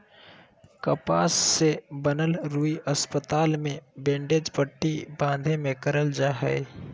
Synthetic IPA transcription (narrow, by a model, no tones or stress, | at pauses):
kəpaːsːebənəlɾuːiəspət̪aːlmẽbẽːɳɖeːd͡ʒpəʈːibãːnd̪ʱẽmẽkəɾəld͡ʒaːɦɛ̰e